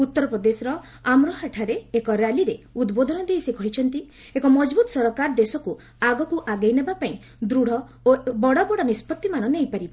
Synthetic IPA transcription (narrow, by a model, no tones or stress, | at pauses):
ut̪ːɔɾɔpɾɔd̪esɔɾɔ | amɾɔɦaʈʰaɾeːkɔɾjaliɾeud̪bod̪ʱɔnɔd̪ejsikɔɦit͡ʃʰɔnt̪i | ekɔmɔd͡ʒbut̪ɔ̥sɔɾɔkaɾɔd̪esɔku | aɡɔkuʔaɡejnebapaĩ | d̪ɾuɽ̤ɔ | obɔɽɔbɔɽɔnispɔt̪ːimanɔnejpaɾiba